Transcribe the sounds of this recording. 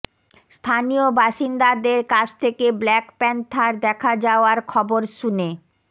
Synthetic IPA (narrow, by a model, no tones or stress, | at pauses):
st̪ʰanijobaʃind̪ad̪eɾkat͡ɕʰt̪ʰekeblɛkpɛnt̪ʰaɾd̪ɛkʰad͡ʑaoaɾkʰɔboɾʃune